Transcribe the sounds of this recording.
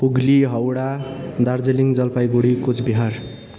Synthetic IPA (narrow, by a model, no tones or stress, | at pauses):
puɡliɦʌwɽad̪ard͡zeliŋd͡zʌlpajɡuɽikut͡sbiɦʌr